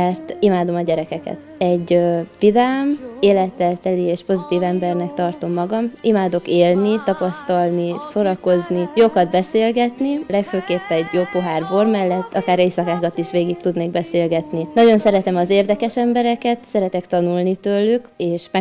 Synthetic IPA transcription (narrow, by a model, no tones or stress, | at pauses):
ɛrt̪imaːd̪o̞mɒɟɛɾɛkɛkɛ̰t̪ | ɛɟvid̪aːmeːlɛt̪ːɛlt̪ɛlieːʃpo̞zit̪iːvɛmbɛrnɛkt̪ɒrt̪o̞mːɒɡɒmʔimaːd̪o̞keːlnit̪ɒpɒst̪ɒlnisoɾɒko̞znijo̞kɒd̪bɛseːlɡɛt̪nilɛkføːkeːpːɛɛɟjoːpːo̞ɦaːrbormɛlːɛt̪ːɒkaːɾeːsɒkaːkɒt̪iʃʋeːɡik̚t̪ud̪neːɡ̚bɛseːlɡɛt̪ninɒɟo̞nsɛɾɛt̪ɛmɒzeːrd̪ɛkɛʃɛmbɛɾɛkɛt̪sɛɾɛt̪ɛkt̪ɒnulnit̪øːlːykeːʃmɛ